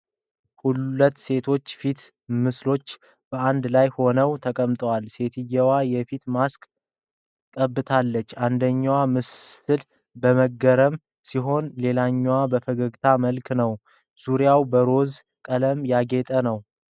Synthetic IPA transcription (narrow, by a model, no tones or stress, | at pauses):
hullət̪ːse̞t̪ʰo̞t͡ʃːfit̪ | mɨslo̞t͡ʃː | b̥əand̪lajho̞nəwt̪ʰəkʼəmt̪ʼəwalse̞t̪ʰɨjːɛwajɛfit̪maskʼ | kʼəbːɨt̪ʰalːət͡ʃːand̪əɲːwamɨsɨl | bəməɡəɾəm | siɦo̞nle̞laɲːwabəfəɡəɡt̪ʰaməlknəw | z̥uɾjawbəɾo̞z | kʼələmjaɡet̪ʼənəw